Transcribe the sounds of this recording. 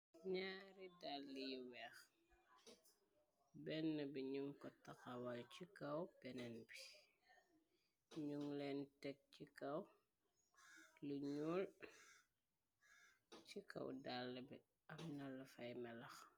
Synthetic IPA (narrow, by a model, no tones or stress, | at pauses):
ɲaːɾidalːijiwɛx | bɛnːəbiɲuŋkɔtɐxɐwalcikɐwbɛnɛnbi | ɲuŋlɛntɛk̚cikɐw | luɲul | t͡ʃikɐ̰wdalːɐbɛ | ɐmnɐlːɐfɐjmɛlɐx